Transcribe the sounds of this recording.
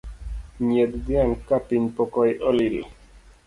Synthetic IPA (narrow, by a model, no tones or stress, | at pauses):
ɲed̪d̪iankapiɲpɔkɔjʔɔlil